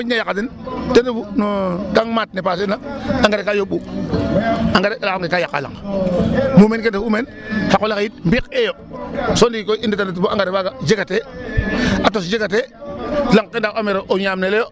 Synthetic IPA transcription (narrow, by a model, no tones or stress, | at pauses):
oɲajakːatintendubunokaŋmat̚nepatinaaŋɡaɾekajoɓu | aŋɡaɾealaaŋɡekajakːa̰la̰ŋ | mumenkendaumen | hakolakjit̚mbikejo | sondikoinditanat̬ibuaŋɡaɾebaɡad͡ʒeɡate | atosd͡ʒeɡat̬elaŋkendaameɾoʔoɲamnelejo